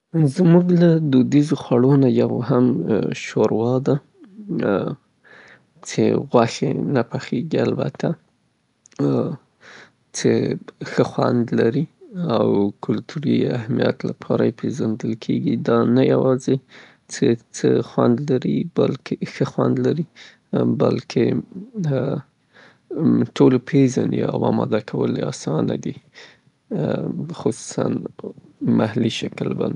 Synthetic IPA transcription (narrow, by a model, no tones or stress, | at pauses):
zmuɡlad̪od̪izoxwaɽonajawɦamʃoɾwɑd̪a | t͡ʃḛɣwaxḛnapaxeɡialba̰t̪ʰa | t͡ʃexəxwa̰nd̪laɾiawkʰʊlt̪ʰuɾiahmija̰t̪lapʰɑɾa̰jepʰezand̪əlkʰeɡid̪ɑnajawɑze | t͡set͡səxwand̪laɾibalkʰexəxwand̪laɾi | balkʰe | ʈolpʰezania̰wɑmɑd̪akʰawəleɑsɑna̰d̪i | xʊsu̥sa̰n | mahliʃaklban